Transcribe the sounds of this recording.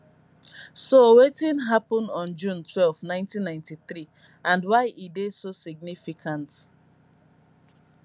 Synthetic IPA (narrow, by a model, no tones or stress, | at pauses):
sowetĩnɦapɔ̃ndɔ̃nd͡ʒũntʰwɛlvnãɪ̃ntĩnːãɪ̃ntiθɹi | ãndwaɪʔidesosiɡ̚nifikʰãnt